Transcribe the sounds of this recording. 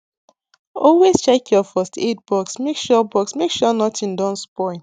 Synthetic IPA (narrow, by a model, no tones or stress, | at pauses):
ɔlwest͡ʃɛkʰjɔfɔstʰet̚bɔksmekʃɔbɔksmekʃɔnɔtʰĩndɔ̃nspɔɪ̃n